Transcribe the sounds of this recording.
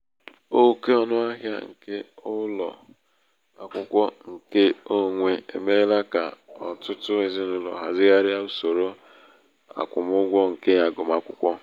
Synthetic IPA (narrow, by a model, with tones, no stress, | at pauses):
o˦ke˦ɔ˨nʊ˦a˦ɦja̰˦ŋ̩̰˨ke˦ʊ˦lɔ̰˨ | a̰˨kʷʊ˦kʷɔ˦ŋ̩˨ke˦o˦ŋʷe˦e˨me˦la˦ka˨ɔ˨tʊ˦tʊ˦e˨zi˦nʊ˦lɔ̰˨ɦa̰˨zɪ˦ɣa˦ɾja˦u˦so˨ɾo˦ | a̰˨kʷʊ˨mʊ˦ɡʷɔ˦ŋ̩˨ke˦ja˨ɡʊ˨m˦a˦kʷʊ˦kʷɔ˦